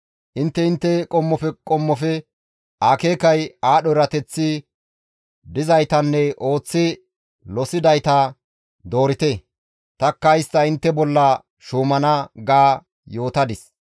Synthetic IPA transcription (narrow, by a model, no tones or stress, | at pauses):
ʔɪnt̪ːɛɪnt̪ːɛkʼɔmːɔfɛkʼɔmːɔfɛ | ʔaːkeːkɐjaːɗɔɾɐt̪ɛt͡sːɪ | d̪ɪzɐjt̪ɐnːɛʔo̞ːt͡sːɪ | lɔsɪd̪ɐjt̪ɐ | d̪o̞ːɾɪt̪e | t̪ɐkːɐɪst̪ːɐɪnt̪ːɛbɔlːɐ | ʃuːmɐnɐɡaː | jo̞ːt̪ɐd̪ɪs